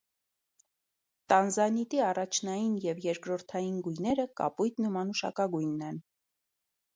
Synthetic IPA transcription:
t̪ɑnzɑnit̪iɑrɑt͡ʃʰnɑjinjɛvjɛɾkɾɔɾt̪ʰɑjinɡujnɛɾəkɑ̰pujt̪nəmɑnuʃɑ̰kɑɡujnːɛn

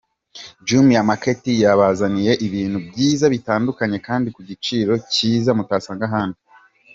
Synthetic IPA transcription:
d͡ʒumijamaketijaβazanije̞ʔiβiːn̤̥hubɟiːzaβitaːndukaɲe̞kaːndikuɟit͡ʃiːɾo̞ciːzamutaːsaːŋɡaɦaːndu

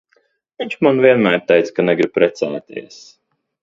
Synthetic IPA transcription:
viɲʲt͡ʃmanviɛnmæːɾt̪ɛjt̪skanɛɡɾib̚pɾɛt̪saːt̪ḭɛs

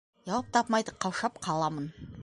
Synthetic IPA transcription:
ʒɑwɑp̚t̪ʰɑpmɑjd̪əqʰːɑwʃɑpqʰɑlˠɑmən

